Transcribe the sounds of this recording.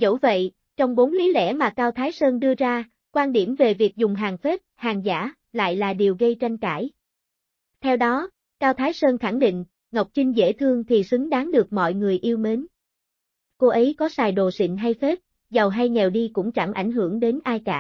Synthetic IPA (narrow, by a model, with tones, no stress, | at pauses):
zə̰˧˥wvə̰˧˨j | t͡ɕɔ˧wŋ͡mɓo˨˦nli˨˦lɛ̰˧˥maː˨˩kaː˧wt̪ʰaː˨˦jsəː˧nɗɨ˧əzaː˧ | kwaː˧nɗi˧˩əmve˨˩vi˨˩ək̚zʊ˨˩ŋ͡mɦaː˨˩ŋfe˦˥p̚haː˨˩ŋza̰ː˧˥ | la̰ː˧˨jlaː˨˩ɗi˨˩əwɣə˧jt͡ɕa˧jŋ̟kaː˧˩j | t̪ʰɛ˧wɗɔ˨˦ | kaː˧wt̪ʰaː˨˦jsəː˧nxa˧˩ŋɗḭ̈˧˨ŋ̟ | ŋə˨˩wk͡p̚t͡ɕï˧ŋ̟zḛ˧˥˩t̪ʰɨ˧əŋt̪ʰi˨˩sɨ˨˦ŋɗaː˨˦ŋɗɨ˨˩ək̚mɔ̰˧˨jŋɨ˨˩əjʔi˧əwme˨˦n | ko˧ʔə˨˦jkɔ˨˦saː˨˩jɗo˨˩sḭ˧˨ŋ̟ɦa˧jfe˦˥t̚ | zə˨˩wɦa˧jŋɛ˨˩wɗi˧kʊ̰˧˥ŋ͡mt͡ɕa˧˩ŋʔa̰˧˩jŋ̟ɦɨ˧˩əŋɗe˨˦nʔaː˧jkaː˧˩